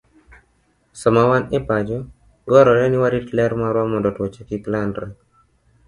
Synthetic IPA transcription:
sɔmawanɛpad͡ʒɔ | ɡɔɾɔɾɛnɪwaɾitlɛɾmaɾwamɔndɔtwɔt͡ʃɛkiklandɾɛ

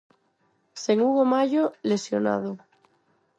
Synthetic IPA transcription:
seŋuɣomaʎolesjona̰ð̞o

